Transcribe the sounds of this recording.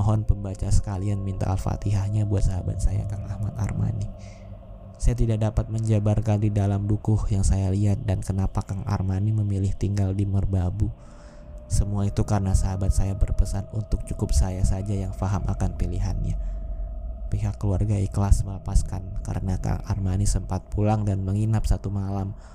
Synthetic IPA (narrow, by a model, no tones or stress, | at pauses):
ɔɦɔnpəmbat͡ʃasə̥kalianmint̪a̰alfa̰t̪iɦahɲabuat̪̚saɦaba̰t̪̚saja̰kaŋahmat̪a̰rma̰ni | sajat̪idak̚dapat̪̚məɲd͡ʒabarkandidalamdukʊhjaŋsajaliɦat̪̚dankənapakaŋa̰rmaniməmilɪht̪iŋɡaldimərbabu | səmuait̪ukaɾənasəaɦabat̪̚sajabərpəsanunt̪ʊk̚t͡ʃukʊp̚sajasad͡ʒajaŋfaɦamʔakanpiliɦa̰nɲa̰ | piɦakːəluarɡaikəlasməlapaskanka̰ɾənaka̰ŋa̰rmanisəmpat̪̚pʰulaŋdanməŋinap̚sat̪umalam